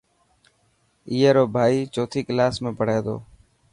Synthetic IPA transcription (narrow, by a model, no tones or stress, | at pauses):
iːɦeːɾoːbʱaːiːt͡ʃoːt̪ʰiːkəlaːsmẽːpəɽ̤eːd̪o̰ː